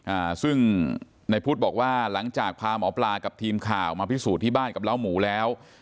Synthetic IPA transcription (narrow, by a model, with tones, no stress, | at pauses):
ʔaː˨˩sɯ˥˩ŋ | na˧jpʰuː˥˩t̪̚bɔː˨˩k̚waː˥˩la˩˦ŋt͡ɕaː˨˩k̚pʰaː˧mɔː˩˦˥plaː˧ka˨˩p̚t̪ʰiː˧mkʰaː˨˩wmaː˧pʰi˦˥suː˨˩t̪ʰːiː˥˩baː˥˩nka˨˩p̚la˦˥˩wmuː˩˦lɛː˦˥w